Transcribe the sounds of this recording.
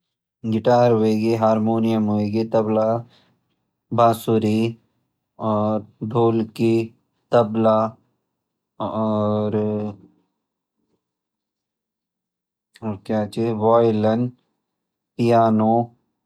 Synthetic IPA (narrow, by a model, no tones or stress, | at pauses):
ɡɪʈaːɾɦoːeːɡeɦaːɾmoːnijəmɦoːeːɡet̪ɐbla | bʱaːsuɾi | ɔːɾɖ̪ʱoːlki | t̪ɐbla | ɔːɾ | ɔːɾkjaːt͡ʃeʋɔːjlən | pɪjaːnoː